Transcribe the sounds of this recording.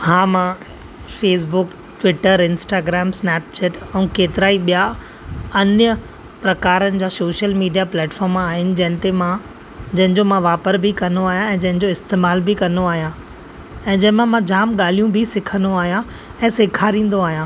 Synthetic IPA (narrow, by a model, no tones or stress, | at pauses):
hãːmã | feːs̬bʊk | ʈʋɪʈəɾɪnsʈaːɡɾɛːmsnɛːp̚t͡ɕɛːʈɛ̃ũkeːt̪ɪɾaːiɓija | ɐnjə | pɾɐkaːɾənɪ̆d͡ʑaːsoːʃəlmiːɖijaplɛːʈfɔːɾmaːɦɪnɪ̆d͡ʑɐɦɪ̃nɪ̆t̪emã | d͡ʑɐɦɪ̃ɲd͡ʑomãʋaːpəɾbʱikɐnoaːɦijãɛ̃ːd͡ʑɐ̃ɦɪ̃d͡ʑoɪst̪eːmaːlbʱikɐnoaːɦijã | ɛ̃ːd͡ʑɐ̃ɦɪ̃mãmãd͡ʑaːmɠaːl̤ijũbʱisɪkʰə̃nd̪oaːɦijã | ɛ̃ːseːkʰaːɾĩːn̆d̪oaːɦijãː